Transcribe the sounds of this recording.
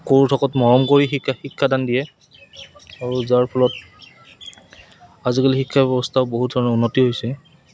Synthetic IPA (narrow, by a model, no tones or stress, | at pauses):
koɹutʰɔkɔtmɔɹɔmkoɹiixikʰːadandijɛ | aɹuzaɹpʰɔlɔt̚ | azikalixikʰːabɛbɔstʰaʊboɦut̚dʱɔɹɔnɔunːɔtiɦojsɛ